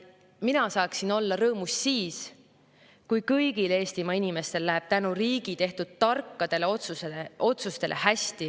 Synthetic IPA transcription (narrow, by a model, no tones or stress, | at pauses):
minɑsɑːksino̞lːɑɾɤːmussiːs | kujkɤjɡ̥ile̞ːst̪imɑinime̞st̪e̞lːlæɦe̞b̥̚t̪ænuriːɡ̥it̪e̞ht̪ud̪̥̚t̪ɑrkːɑd̪̥e̞leot̪sueeo̞t̪sust̪e̞lʔe̞̰hæsʲt̪i